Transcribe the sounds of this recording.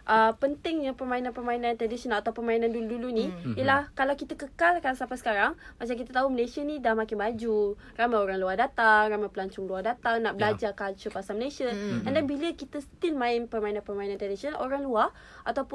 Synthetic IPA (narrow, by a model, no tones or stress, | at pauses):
ʔəpənt̪ɪŋɲapərmainãnpərmainant̪ɾadisiənalat̪awpərmainãnduuduluniiəlahkalawkit̪akəkalkansapasə̥kaɾaŋmat͡ʃamkit̪at̪aɦuməlesianidahmãkɪnbad͡ʒu | ramajoɾaŋluahdat̪aŋramajpəlaɲt͡ʃʊŋluahdat̪aŋnaʔbəlad͡ʒakalt͡ʃupasaməlesiaəndanbiləkit̪əsə̥t̪ilmãɪnpərmainãnpərmainant̪ɾadisiənoɾaŋlua | ʔat̪awpʊ